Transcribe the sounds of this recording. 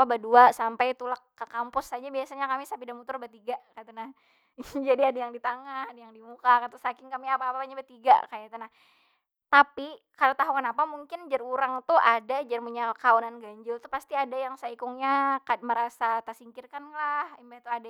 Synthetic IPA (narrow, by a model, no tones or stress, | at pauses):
pabaduasampajt̪ulakːəkampʊsad͡ʒabiasaɲakamisapidamut̪ʊrbat̪iɡakat̪anah | d͡ʒadiadajaŋdit̪aŋahadajaŋdimukakat̪usakɪŋkamiapaːpapaɲabat̪iɡa̰kajat̪anah | t̪api | kalat̪aɦuŋanapamuŋkɪnd͡ʒaruɾaŋt̪uʔadad͡ʒarmuɲalkaunanɡaɲd͡ʒʊlt̪upast̪iadajaŋsaikʊŋɲakaməɾasat̪asiŋkɪrkanlahimbat̪uada